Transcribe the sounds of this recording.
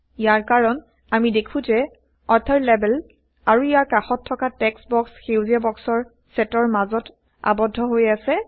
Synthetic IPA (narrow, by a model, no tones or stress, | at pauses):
ijaɹkaɹɔn | amidekʰũzɛ | ɔɹt̪ʰaɹlɛbɛl | aɹuijaɹkaxɔtʰːɔkatɛksbɔksxewziabɔksɔɹ | sɛtɔɹmazɔt | a̰bɔdʱːɔɦojasɛ